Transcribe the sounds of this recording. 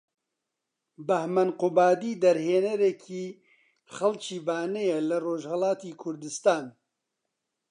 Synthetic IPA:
bɐhmɐnqʊbaːd̪iːd̪ɐɾheːnɐɾekʰiː | xɐlt͡ʃʰiːbaːnɛjɛlɨroːʒhɛlaːt̪iːkʰʊɾd̪ɨst̪aːn

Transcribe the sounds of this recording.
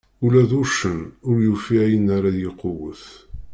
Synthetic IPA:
ulæðuʃənʊɾjufiʕjənaɾajeqowəθ

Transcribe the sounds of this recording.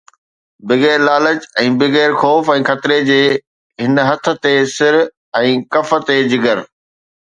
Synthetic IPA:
bɪɣeːɾlaːləd͡ʑɛ̃ːbɪɣeːɾxɔːfɛ̃ːxɐt̪ɪɾed͡ʑeː | ɦɪnɦɐt̪ʰə̆t̪esɪɾ | ɛ̃ːkɐfə̆t̪ed͡ʑɪɡəɾ

